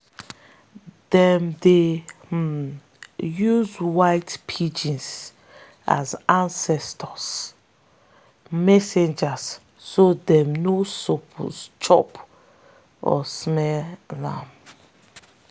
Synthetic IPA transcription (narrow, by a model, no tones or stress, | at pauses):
dɛmde | juzwaɪtpʰid͡ʒĩns | a̰zãnsɛstʰɔs | mɛsẽnd͡ʒasː | odɛ̃mnosopʰɔ̰st͡ʃɔp | ɔ̰smɛllã̰m